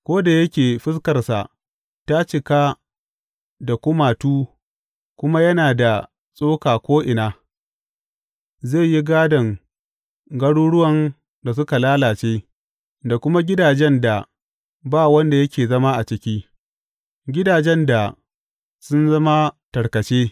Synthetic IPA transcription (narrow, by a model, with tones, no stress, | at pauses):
kʷoː˦da˨jɐ˦kʲeː˨ɸɪ˦skɐ˨rsa̰˨ʔ | ta˦t͡ʃɪ˨kaː˦ | da˨kʷʊ˦maː˨tuː˦ | kʷʊ˦ma˦jɐ˦naː˨da˨ | sʼoː˦kaː˨kʷoː˦ʔɪ˨naː˦ | ze˦˨ji˦ɡaː˦dɐ˨ŋ | ɡɐ˦ɽuː˦ɽʊ˦wɐ˨n | da˨s̬ʊ˦ka˨laː˦laː˨t͡ʃeː˦ | da˨kʷʊ˦ma˦ɡʲɪ˦daː˨d͡ʒɛ˦nda˨ | baː˦˨wɐ˦nda˨jɐ˦kʲeː˨zɐ˦ma˦ʔa˨t͡ʃɪ˦kʲiː˦ | ɡʲɪ˦daː˨d͡ʒɛ˦nda˨ | sʊ˦nzɐ˦ma˦tɐ˨ɽkɐ˨t͡ʃeː˦